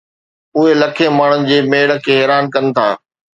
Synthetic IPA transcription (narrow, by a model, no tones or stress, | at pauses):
ʊɦelɐkʰẽmaːɳ̤ʊnɪ̆d͡ʑeːmeːɽə̆kʰeːɦɛːɾaːnkɐnɪ̆t̪ʰa̰ː